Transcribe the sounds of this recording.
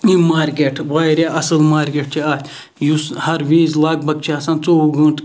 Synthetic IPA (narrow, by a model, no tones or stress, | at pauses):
ĩmaːɾkeːʈʰʋaːjɾaʔɐsɨlmaːɾkeːʈ̚t͡ʃʰiaːt̪ʲ | jushɐɾʋiːzlaːɡ̚bɐɡ̚t͡ʃʰiɐsãːnt͡soːɡũːnt̪